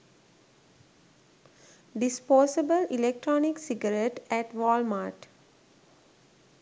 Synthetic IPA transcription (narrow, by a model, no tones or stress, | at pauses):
ɖispɔːsibəlilek̚ʈɾɔːniksiɡəɾeʈæʈʋɔːlmaːʈ